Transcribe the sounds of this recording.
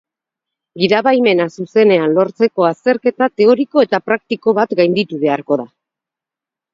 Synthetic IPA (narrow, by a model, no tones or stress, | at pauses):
ɡiðaβajme̞nasuse̞ne̞anlo̞ɾt͡se̞ko̞ast̪e̞ɾke̞t̪at̪e̞o̞ɾiko̞e̞t̪apɾak̚t̪iko̞βat̪ɡajnd̪it̪uβe̞aɾko̞ða